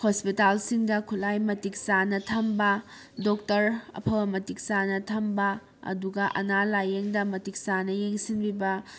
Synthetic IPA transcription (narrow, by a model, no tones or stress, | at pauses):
hospitalsiŋdɐkʰulajmɐtik̚sanɐtʰɐmbɐ | dok̚tɐɾɐ̰pʰɐwɐmɐtik̚sanɐtʰɐmbɐ | ɐ̰duɡɐʔɐ̰nalajeŋdɐmɐtik̚sanɐjeŋsinbibɐ